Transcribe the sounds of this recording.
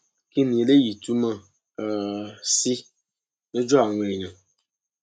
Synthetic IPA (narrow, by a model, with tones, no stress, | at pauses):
ki˦ni˨le˦ji˨tu˦ma˦˨ | si˦ | ne˦d͡ʒɔ˦a˨ŋʷe˨ɾi˨ɲa˨